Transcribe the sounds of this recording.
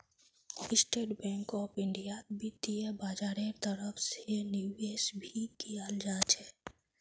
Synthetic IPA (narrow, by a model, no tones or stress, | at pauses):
ɪsʈeːʈbɛ̃ːŋkɔːpɪ̃ɳɖijat̪bʱit̪iebaːd͡ʒaːɾẽt̪əɾəfsenjueːsbʱikijaːld͡ʒaːt͡ʃɛː